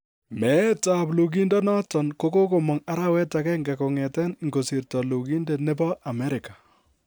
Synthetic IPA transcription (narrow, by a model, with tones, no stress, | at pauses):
mɛ˨˦ta˨plu˨k̬i˦ndɔ˦nɔ˦tɔ˨nko˦ko˦ko˨mɔ˨ŋa˦ɾa˦wɛ˦ta˨kɛ˦ŋɡa˨ko˨ŋɛ˨tɛ˦n˨ŋɡo˨si˨ɾtɔ˨lu˨ki˦nde˨ne˦bɔ˦ʔa˨mɛ˦ɾɪ˨ka˨